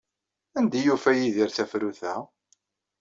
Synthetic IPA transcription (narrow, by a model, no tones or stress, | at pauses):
ænd̪æjufæjiðiɾθæfɾuθæ